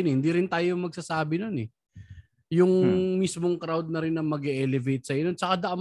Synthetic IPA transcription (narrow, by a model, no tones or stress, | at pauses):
nɛhɪnd̪iːɾɪnt̪aːjomɐɡ̚saːsaːbɪno̞nɛ | jʊŋmismo̞ŋkɾawd̪̚nɐɾɪnːɐŋmɐɡɛʔɛlɛvejt̪̚sɐʔɐnont͡ʃɐkad̪ɐʔɐm